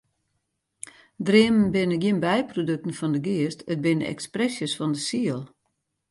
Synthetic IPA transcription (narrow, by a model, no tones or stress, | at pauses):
drɪəmənbɪnəɡjiənbɛjprodøk̚tən̩fɔndəɡiəstət̚bɪnəɛ̰ksprɛsjəsfɔndəsiəlˠ